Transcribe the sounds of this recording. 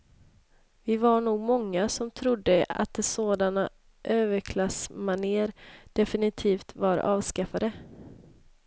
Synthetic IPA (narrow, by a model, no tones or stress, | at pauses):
vɪvaɳuːɡmɔŋːasɔmt̪ʰɾʊd̪ːəa̰t̪̚d̪ɛsoːd̪ana | ʔøːvəɾkʰlasmaniːəɾd̪̥ɛfɪnɪt̪ʰiːft̪vaɾɑ̰ːvskafad̪ə